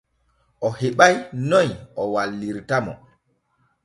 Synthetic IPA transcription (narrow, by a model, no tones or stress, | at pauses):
ʔɔheɓajnɔjʔɔwalːiɾtamɔ̰